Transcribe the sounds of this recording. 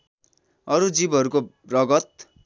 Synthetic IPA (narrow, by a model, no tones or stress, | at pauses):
ʌɾud͡zibʌɾuko | rʌɡʌt̪̚